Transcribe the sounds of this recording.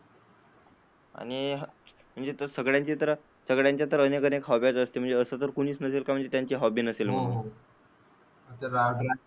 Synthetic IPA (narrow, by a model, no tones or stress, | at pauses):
a̰ɽ̃iɦ | m̤əɳd͡zet̪əɾsəɡɭjãɲt͡ɕit̪əɾ | səɡɭjãɲt͡ɕjat̪əɾənekənekɦɔbjat͡səst̪em̤əɳd͡zeəsət̪əɾkuɽ̃iːt͡snəselkam̤əɳd͡zet̪jaɲt͡ɕiːɦɔbiːnəselm̤əɡu | at̪əɾaɡɾa